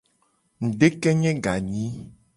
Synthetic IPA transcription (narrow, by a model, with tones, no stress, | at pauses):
ŋ̩˨ɖe˦kɛ˦ɲɛ̃˦ɡa˨ɲĩ˦